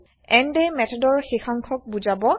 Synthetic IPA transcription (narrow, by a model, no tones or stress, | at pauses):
ɛndɛmɛtʰɔdɔɹxixaŋkʰɔk̚buzabɔ